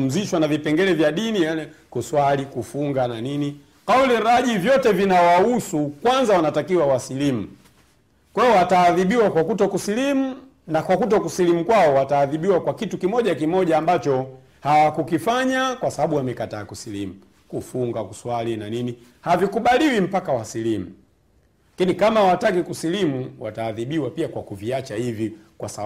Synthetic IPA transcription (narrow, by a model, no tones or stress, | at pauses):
m̩ziʃwanavipɛŋɡɛlɛvjaɗinijalɛkuswalikufuŋɡananini | kauliɾaʄivjɔtɛvinawausukwanzawanatakiwawasilim̩ | kwɛɔwataːðiɓiwakwakutɔkusilimu | nakwakut̬ɔkusilim̩kwaɔwataːðiɓiwakwakitukimɔʄakimɔʄaːmbat͡ʃɔ | hawakukifaɲakwasaaɓuwamɛkataːkusilimu | kufuŋɡakuswalinanini | havikuɓaliwim̩pakawasilimu | lakinikamawatakikusilimuwataːðiɓiwapiakwakuviat͡ʃahivikwasa